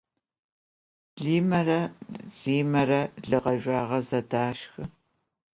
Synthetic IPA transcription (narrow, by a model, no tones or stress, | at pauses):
ɮiːmɐɾɐɮiːmɐrɐɮɨʁɐʒʷaːʁɐzɐdaːʃxɨ